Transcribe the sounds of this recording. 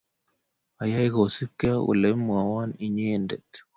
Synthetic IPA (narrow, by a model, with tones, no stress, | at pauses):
a˨ja˦i˦ɣo˨si˦ka˦ṵ˨le˦mwa˨wa˦ni˨ɲeː˦˨nde˨t̪